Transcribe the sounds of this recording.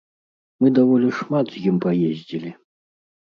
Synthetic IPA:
mɨd̪avɔlʲiʂmat̪zʲjimpajezʲd͡zʲilʲi

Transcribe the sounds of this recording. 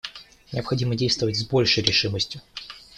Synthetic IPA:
nʲɪəpxɐdʲimədʲejst̪vəvətʲzbo̞lʲʂəjɾʲɪʂɨməsʲtʲjʊ

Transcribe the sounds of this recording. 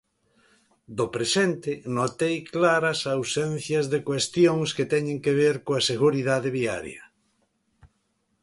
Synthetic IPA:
d̪opɾesent̪ɪnot̪ejklaɾɐsawsen̟θjɐzðekwest̪joŋsket̪ɛɲẽŋkeβ̞eɾkõaseɣuɾiðaðeβia̰ɾj̰ɐ̰

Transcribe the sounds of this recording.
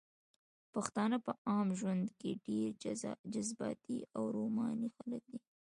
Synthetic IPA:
paxt̪ɑnapəɑmʒwand̪keɖeɾd͡ʒazbɑ̰t̪ḭawɾomɑnixalək̚d̪i

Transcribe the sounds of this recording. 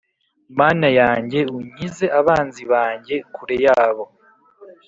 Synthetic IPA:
maːnajaːɲɟe̞uɲize̞ʔaβaːnziβaːɲɟe̞kuɾe̞jaːβo̞

